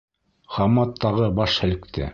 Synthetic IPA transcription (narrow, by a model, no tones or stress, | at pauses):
χɑmɑt̪ʰːɑʁɤbɑʃhæ̆lɘ̆kt̪ʰæ̰